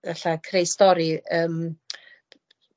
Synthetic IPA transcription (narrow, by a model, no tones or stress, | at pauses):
ðaɬakʰrejstɔɾiəːm